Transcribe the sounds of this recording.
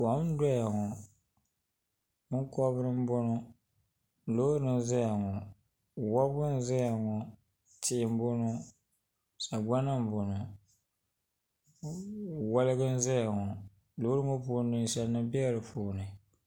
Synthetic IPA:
ka˨˦m˦da˦ja˨ŋɔ˨ | ɨ˦ŋ˦kɔ˦bɾɨ˦m̩˦bʊ˦nɔ˦ | lo˦ɾɨ˦n˦za˦ja˨ŋɔ˨ | wa˦bʊ˦n̩˦za˦ja˨ŋɔ˨ | tɪ˦˨m̩˦bʊ˦no˦ | sa˨ɡ͡ba˦nɨ˦m̩˦bo˨nɨ˨ | wa˦lɨ˦ɡɨ˦n̩˦za˦ja˨ŋɔ˨ | lo˨˦ɾɨ˦ŋo˦pu˦nːɨ˦sɛ˦lnɨ˦bi˦ɾɨ˨fuː˦˨nɨ˨

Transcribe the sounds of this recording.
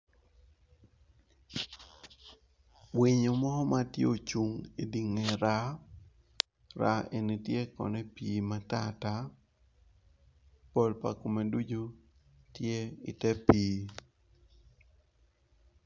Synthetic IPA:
wi˨ɲo˨mɔ˦hɔ˦ma˦tjo˨t͡ʃu˨ŋe˨di˨ŋe˨ɾa˦ | ɾa˨ʔe˨ni˨tje˦kɔ̰˨nɛ˦piː˨ma˦ta˦ta˦ | po˨lpa̰˨ko˨me˨du˦d͡ʒo˦ | tje˦ḭ˨tɛ˦piː˦

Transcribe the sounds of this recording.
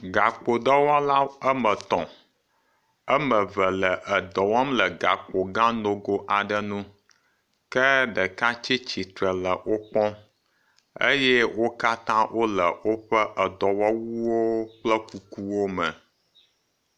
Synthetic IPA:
ɡa˨k͡po˨d̪ɔ˦wɔ˦la˦ə˦mə˨t̪ɔ̰̃˨ | ə˦mə˨və˨lə˨ʔə˨d̪ɔ˨wɔ˦mlə˨ɡa̰˨k͡po˨ɡã˦no˨ɡo˦ʔa˨ɖə˦nũ˦ | kə˦ɖə˨ka˦t͡ʃi˦t͡ɕi˨t̪ɾə˨lə˨wo˦k͡pɔ̃˦ | ə̰˦jɛ˦wo˦ka˦t̪ã˦wʔo˦lə˨wo˦ɸə˦ʔə˨d̪ɔ˨wɔ˦wu˦wo˦k͡plə˦ku˨ku˦wo˦mə̰˨

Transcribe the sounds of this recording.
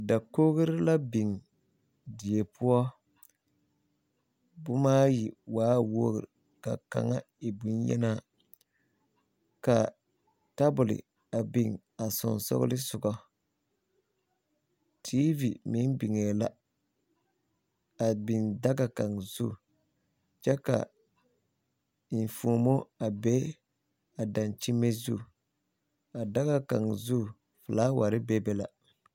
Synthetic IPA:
da˨koː˦ɣɪ˦ɾla˦bi˨ŋ | di˨e˨pʰʊ˦ɔ˦ | bʊ˦maː˦ji˨waː˦wo˦ɡɪ̰˨ɾ | ka̰˨ka̰˨ŋa˦ | i˨bu˦njɛ̰˦na˦ | ka˨ | ta˦bʊ˨lɪ̰˨ | a˨bi˨ŋ | a˨sɔ̰˨nsɔ̰˦ɣ̰lɪ˦sʊ˨ɡɔ˦ | tʰi˦vi˨mi˦n˦bi˨ŋɛ˨la˦ | a˨bi˨nda˦ɡa˨ka˨ŋzu˦˨ | t͡ʃɛ˦ka̰˨ | i˨fu˨o˨mo˦a˨bɛ˦ | a˨da˨nt͡ʃi˦mːe˦zṵ˦˨ | a˨da˦ɡa˨ka˨ŋzu˦˨ | fɨ˨laː˦wa˨ɾɪ˦bɛ˦bɛ˦la˨

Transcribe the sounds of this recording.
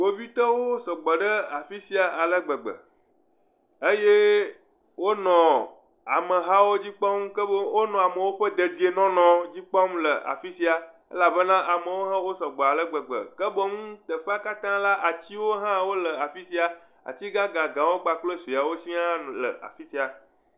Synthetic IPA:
wo˦vi˦t̪ɔ˦wo˦sɔ˨ɡ͡bɔ˨ɖə˦a˨fi˦si˦a˨ʔa˨lə˦ɡ͡bə˨ɡ͡bə̰˨ | e˦je˦ | wo˦nɔ̃˨ | a̰˨mə˨ɦa˦wo˦d͡ʑi˦k͡pɔ˦mkə˦wo˦nɔ̃˨a˨mə̃˨wo˦ɸə˦d̪ə˨d̪i˨˦e˨nɔ̃˦nɔ̃˨d͡ʑi˦k͡pɔ˦mlə˨ʔa̰˨fi˦si˦a˨ | ḛ˦la˨bə˦nã˦ʔa˨mə˨wo˦ɦã˦ɦo˦sɔ˨ɡ͡bɔ˨a˨lə˦ɡ͡bə˨ɡ͡bə̰˨kə˦bɔ˦ŋũ˦t̪ə˨ɸa˦ka˦t̪ã˦la˦ʔa˨t͡ɕi˦wo˦ɦã˦wo˦lə˨a˨fi˦si˦a˨ | a̰˨t͡ɕi˦ɡã˦ɡã˨ɡã˨wo˦ɡ͡ba˨k͡plə˦si˨a˨wo˦sĩ˦ã˦˨lə̰˨ʔa̰˨fi˦si˦a˨

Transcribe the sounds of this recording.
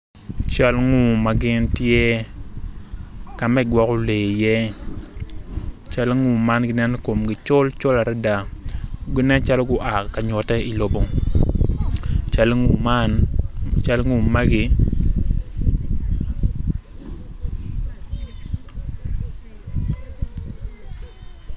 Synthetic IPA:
t͡ʃa˦lŋu˦˨ma˦ɡɪ˦ntjɛ˦ | ka˨mɛ˦ɡwɔ˨˦kɔ˦le˨jɛ˦ | t͡ʃa˦lŋu˨ma˦nɡɪ˦nɛ˦n˦ko˨mɡɪ˨t͡ʃʊ˦lt͡ʃo˦la˨ɾɛ˦da˨ɡɪ˦nɛ˦nt͡ʃa˦lo˦ɡʊ˦ʔa˨ka˨ɲɔ˨tɛ˦i˨lo˦bo˦ŋ | t͡ʃa˦lŋu˨ma˦nt͡ʃa˦lŋu˨ma˦ɡɪ˦

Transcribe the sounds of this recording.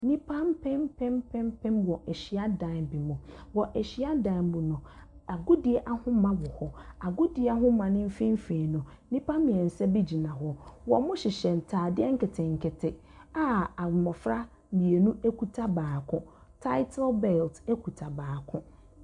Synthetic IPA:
nĩ˦pʰã˦mpʰɛ̃˦mpʰɛ̃˦mpʰɛ̃˦mpʰɛ̃˦mwɔ˨ɛ˨ɕi˨a˦dã˨˦˨bi˨mʊ̃˨wɔ˨ʔɛ˨ɕi˦a˦dã˨˦˨mbʊ̃˨nʊ̃˨a˨ɡʊ˦dɪ˨ɛ˦ʔa˦hʊ̃˦mã˦wɔ˨hɔ˨a˨ɡʊ˦dɪ˨˦a˦ɦʊ̃˦mã˨nɪ̃˦m̩˦fĩ˦m̩˦fẽ˨nʊ̃˨ | nĩ˦pã˦m˦mĩ˨ɛ˨n̩˨sɛ˦bi˦d͡ʑi˨nã˨ɦɔ˦wɔ̰˨mʊ̃˦ɕɪ˨ɕɛ˨n̩˨tʰaː˨dɪ˦ɛ˦ŋ̩˦kɪ˨tʰɪ̃˨ŋ̩˨kʰɪ˨tʰɪ˨a˦a˨mɔ̃˨fɾa˦ | mĩ˨e˨nũ˦e˦kʰu˨tʰa˦baː˨kʰʊ̃˦ | tʰa˦ɪ˦tʰa˦lbɛ˨lte˦kʰu˨tʰa˨baː˨kʰʊ̃˦

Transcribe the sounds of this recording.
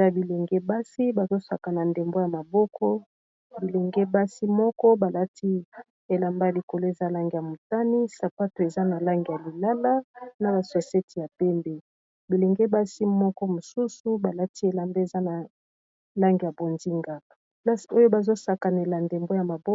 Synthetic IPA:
a˦bi˨le˨ŋɡe˦ba˦si˦ba˨zo˦sa˨ka˨na˨nde˨mbo˦ja˨ma˨bɔ˦kʰɔ˦ | bi˨le˨ŋɡe˦ba˦si˦mɔ˦kɔ˦ba˨la˦tʰi˦ | e˨la˨mba˦a˨li˨ko˨lo˦e˨za˦la˦ŋɡi˨ja˨mo˨ta˦ni˦sa˨pa˦to˨e˨za˦na˨la˦ŋɡi˨ja˨li˨la˦la˦na˨ba˨se˨se˦tʰi˨ja˨pɛ˦mbe˨ | bi˨le˨ŋɡe˦ba˦si˦mɔ˦kɔ˦mo˨su˦su˦ba˨la˦ti˦e˨la˨mbe˦e˨za˦na˨ | la˦ŋɡi˨ja˨bo˨nzi˦ŋɡa˨ | pla˦si˨o˦jo˦ba˨zo˦sa˨ka˨ne˨la˨nde˨mbo˦ja˨ma˨bɔ˦

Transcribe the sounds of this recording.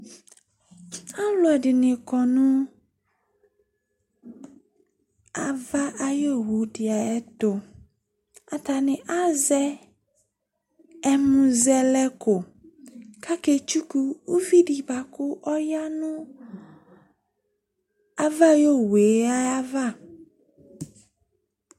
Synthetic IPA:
a˦lʊ˨ɛ˨dɪ˨nɪ̃˨kɔ˨nʊ̃˦ | a˨va˦ʔa˦jo˦˨ɦu˨˦dɪ˨a˨ɛ˦tʊ˨ | a˨ta˨nɪ̃˨ʔa˦zɛ˦ | ɛ˦mũ˨zɛ˦lɛ˦kʊ˨ | ka˦ke˨t͡ʃu˦ku˦u˦vi˦ɖi˨ba˨kʊ˦ʔɔ˦ja˦nʊ̃˦ | a˦va˦˨jo˦˨we˨˦a˦a˦va˦˨

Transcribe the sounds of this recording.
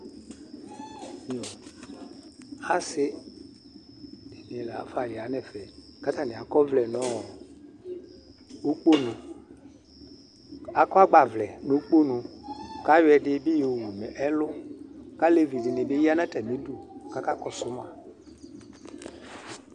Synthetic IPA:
mi˨ɔ˨ | a˦sɪ˦ | dɪ˨mĩ˨la̰˨˦fa˨jɪ˨a˨˦nɛ˨fɛ˨ka˦ta˨nɪ̃˨a˨kɔ˦vlɛ˨nɔ˦ɔ˨ | o˦k͡po˦nũ˨ | a˨kɔ˦a˦ɡ͡ba˨vlɛ˨nʊ˦k͡po˦nũ˨ka˦jɛ˨dɪ˦bɪ˦jo˨u˨mɛ˨ʔɛ˦lʊ˦ka˦le˨vi˨dɪ˨nɪ˨bɪ˦ji˦a˦nã˦tɛ˨mĩ˨˦du˨ka˦ka˦kɔ˨sʊ˨˦m˦a˦

